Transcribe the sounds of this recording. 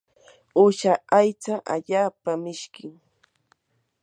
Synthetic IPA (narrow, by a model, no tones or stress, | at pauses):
ʊʃaajt͡saʔa̰ʎaːpamɪʃkɪŋ